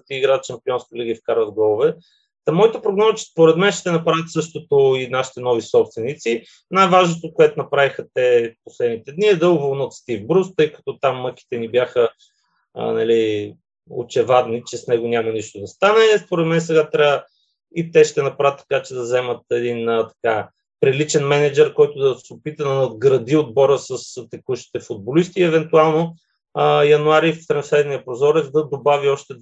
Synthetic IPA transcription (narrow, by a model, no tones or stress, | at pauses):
t̪iɡɾat̪ʃɐmpiɔnskɐliɡəifkaɾvɐvɡɔlˠovɛ | t̪ɐmɔit̪əpɾoɡnɔzət͡ʃɛ̥spoɾɛd̪mɛnʃt̪ɛnɐpɾavʲət̪sɤʃt̪ot̪oinaʃi̥t̪ɛnɔvisɔpst̪vɛnit̪si | najvaʒnot̪okoɛt̪onɐpɾavixət̪ɛposlɛd̪nit̪ɛd̪niɛd̪ɤvolˠnot̪st̪ivbɾust̪ɤjkɐ̥t̪ɔt̪amːɤki̥t̪ɛnibjaxə̰ | nɐli | o̰t͡ʃɛvad̪nit͡ʃɛsnɛɡonʲamɐniʃt̪od̪ɐst̪anɛspoɾɛt̪mɛnɛsɛɡat̪ɾʲavə | it̪ɛʃt̪ɛnɐpɾaət̪ːɐ̥kat͡ʃɛd̪ɐzɛmət̪ɛd̪inət̪ɐ̥ka | pɾilit͡ʃɛnmɛnɛd͡ʒɛɾkɔjt̪ʊd̪ɐsɛopit̪əd̪ɐnɐd̪ɡɾɐd̪iod̪̚bɔɾəsɐst̪ɛkuʃi̥t̪ɛfod̪̚bolist̪iɛvɛnt̪ualˠno | jɐnuaɾift̪ɾɐ̃nslɛd̪nijəpɾozɔɾɛvd̪ɐd̪obaviɔʃt̪ɛ